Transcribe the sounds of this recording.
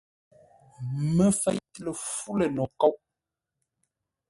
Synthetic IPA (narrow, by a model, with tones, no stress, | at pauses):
mə˦fɛ˦jtlə˨fu˦lə˨nɔ˨kɔ˦w